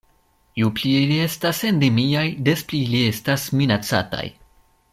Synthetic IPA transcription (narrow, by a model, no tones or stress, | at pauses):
jupliilie̞stase̞nde̞miajde̞splilie̞stasminat͡sa̰ta̰j